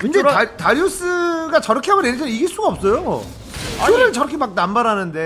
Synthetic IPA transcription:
ind͡ʑetaɾjos͈ɯɡat͡ɕʌɾʌkʰeɦabʌnenet͡ɕʰʌiɡis͈uɡaʌp̚s͈ʌjo̰ | ɯɾɯɭt͡ɕʌɾʌkʰemak̚nambaɾanɯnde̞

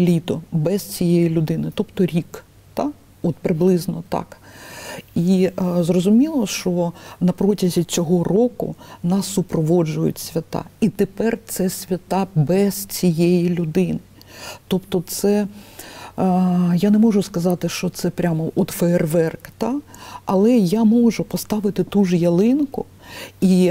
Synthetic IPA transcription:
lʲit̪ɔbɛzt͡sʲijɛjilʲʊd̪ɪnɪt̪ɔpt̪ɔɾʲik | t̪ɑ | ɔt̪pɾɪblˠɪznɔt̪ɑ̰k | izrɔzʊmʲilˠɔʃt͡ʃɔnɐpɾɔtʲɐzʲit͡sʲɔɦɔrɔkʊ̰nɑsːʊpɾɔʋɔd͡ʒʊjʊ̰tʲsʲʋʲɐt̪ɑ̰it̪ɪpɛrt̪sɛsʲʋʲɐt̪ɑbɛz̥t͡sʲijɛjilʲʊd̪ɪnɪ | t̪ɔpt̪ɔt̪sɛ | janɛmɔʒʊskɐzɑt̪ɪʃt͡ʃɔt̪sɛpɾʲamɔʔɔt̪fɛerʋɛrkt̪ɑɐlˠɛjamɔʒʊpɔst̪ɑʋɪt̪ɪt̪uʒjɐlˠɪnkʊ | i

